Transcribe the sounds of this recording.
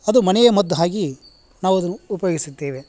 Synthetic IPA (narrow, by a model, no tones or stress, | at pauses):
ɐd̪umɐnɛjɐmɐd̪ːɐɦaːɡi | naːʋuɐd̪ɐnːuːpɐjoːɡisid̪ːeːʋe